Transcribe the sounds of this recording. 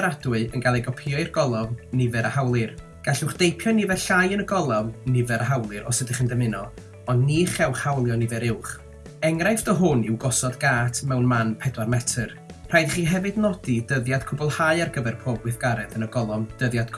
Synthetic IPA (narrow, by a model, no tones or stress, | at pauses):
ɾad̥wɨənɡalˠɛjɡɔpʰiɔirɡɔlˠɔvnɪvɛɾəhawlˠɨr | ɡ̥aɬʊwχd̥ejpʰjɔnɪvɛrɬajənəɡɔlˠavnɪvɛɾəhawlˠɨɾɔ̰sədɪχəndəmɪnɔ | ɔndniχɛwχhawlˠjɔnɪvɛɾɪwχ | ɛŋrajfdɔɦʊnɪwɡɔsɔdɡaːtʰmɛwnmanpʰɛdwarmɛtʰər | r̥ajdχiːɦɛvɨdnɔdidəðjad̥kʰʊbɔlˠhajarɡəvɛrpʰɔbwɨθɡ̥aɾɛðənəɡɔlˠɔmd̥əðjad̥kʰ